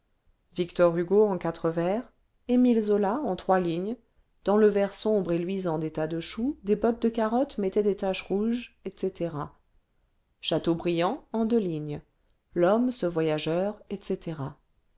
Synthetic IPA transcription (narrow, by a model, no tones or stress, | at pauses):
vikt̪ɔʁyɡoɑ̃kat̪χəvɛʁ | emilzolaɑ̃t̪χwaliɲ | d̪̥ɑ̃ləvɛʁsɔ̃bʁelɥizɑ̃d̪et̪ad̪əʃud̪ebɔt̪̚d̪əkaʁɔt̪mɛt̪ɛd̪et̪aʃʁuʒɛt̪set̪eʁa | ʃat̪obʁijɑ̃ɑ̃d̪øliɲ | lɔmsəvwajaʒœʁɛt̪set̪eʁa